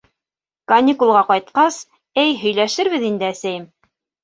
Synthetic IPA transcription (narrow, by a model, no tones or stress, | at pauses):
kɐnʲikulˠʁɑqɑjt̪̚qɑs | ɘjɦɵ̆jlæʃɘɾβɘðind̪ɘæsæjɘm